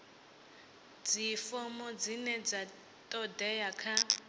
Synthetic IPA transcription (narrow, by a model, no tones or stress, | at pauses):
d͡zifɔmɔd͡zinɛd͡za | tʼɔdɛjakʰa